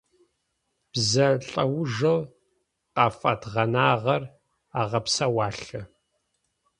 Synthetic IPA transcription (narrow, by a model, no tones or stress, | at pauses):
b̥zɐɬʼɐwʊʒɐl | qaːfɐtʁɐnaːʁɐr | aːʁɐpsɐwaːɬɐ